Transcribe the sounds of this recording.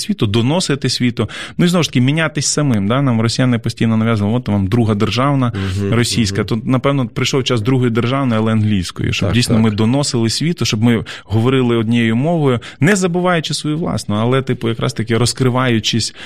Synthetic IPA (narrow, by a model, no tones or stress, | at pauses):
sʲʋʲit̪ʊd̪ɔnɔsɪt̪ɪsʲʋʲit̪ʊnʊiznɔʋʊʃt̪ɐ̥kʲimʲinʲat̪ɪsʲsɐmɪmd̪anɑmrɔsʲijanɪpɔsʲtʲijnɔnɐʋʲjazɐʋlˠʋɔt̪ːɐʋɑmd̪ɾuɦɐd̪erʒɑwnɐrɔsʲijsʲkɐt̪ɔnɐpɛwnɔpɾɪjʃlɔwt͡ʃazd̪ɾuɦɔjʊd̪erʒɑwnɔjɐlˠɛɐnɦlʲijsʲkɔ̰jʊ̰ʃt͡ʃɔbdijsʲnɔmɪd̪ɔnɔsɪlˠɪsʲʋʲit̪ʊʃt͡ʃɔbmɪɦɔʋɔɾɪlˠɪɔd̪ʲnʲijeɛjʊmɔʋɔjʊnɛzɐbɪʋɑjʊt͡ʃɪsʋɔjuʋlˠɑ̰snɔɐlˠɛt̪ɪpʊjɐkɾɑ̰st̪ɐkʲɪɾɔskɾɪʋɑjʊt͡ʃɪsʲ